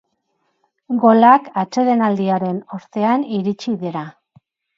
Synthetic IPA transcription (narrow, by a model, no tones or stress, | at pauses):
ɡo̞lakat͡ʃe̞ðe̞nald̪iaɾe̞no̞ɾt̪e̞aniɾit͡ʃiðeɾa